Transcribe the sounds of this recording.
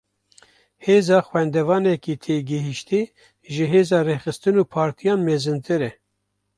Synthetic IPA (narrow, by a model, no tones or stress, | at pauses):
heːzɑːxwɛnd̪ɛvɑːnɛkiːt̪ʰeːɡɨɦiʃt̪i | ʒɨɦeːzɑːrexɨst̪ɨnuːpʰɑːɾt̪ʰijɑːnmeːzɨnt̪ʰɨɾɛ